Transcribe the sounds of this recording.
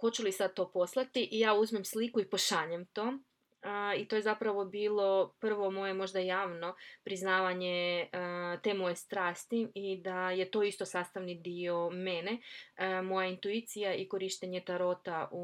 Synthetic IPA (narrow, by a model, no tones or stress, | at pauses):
xot͡ɕulisad̪̚t̪o̞ːpo̞slˠat̪iʔijaːuzmemslikuipo̞ʃaʎemt̪o̞ː | it̪o̞je̞zapɾaʋo̞biːlˠo̞pr̩ʋo̞mo̞je̞mo̞ʒd̪ajaːʋno̞pɾiznaːʋaɲe | t̪e̞ːmo̞je̞st̪ɾaːst̪iid̪aje̞t̪o̞ist̪o̞saːst̪aʋnid̪io̞menemo̞jaint̪uit̪sijaʔiko̞ɾiʃt̪eɲe̞t̪aɾo̞t̪au